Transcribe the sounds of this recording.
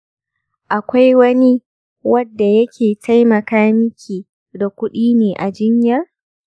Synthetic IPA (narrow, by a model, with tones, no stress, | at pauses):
ʔa˨kʷa˦jwɐ˦ni˦ | wɐ˦dːa˨jɐ˦kʲʰeː˨tʰa˦jmɐ˨kaː˦mɪ˦kʲʰiː˨ | da˨kʷʊ˦ɗiː˦neː˨ʔa˨d͡ʒɪ˦ɲjɐ˦r